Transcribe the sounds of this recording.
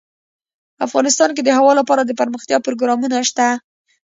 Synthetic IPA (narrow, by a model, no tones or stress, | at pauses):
afɣɑnɪst̪ɑnk̬ed̪əhawɑlapɑɾad̪əpəɾməxt̪jɑpɾoɡɾɑmunaʃt̪a